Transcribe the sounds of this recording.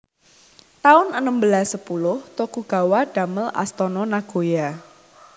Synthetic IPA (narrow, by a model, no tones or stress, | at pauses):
t̪aʊnənəmbəlasːəpulʊht̪okuɡ̥a̤waɖ̥aməlʔa̰st̪ɔnɔnaɡ̥oja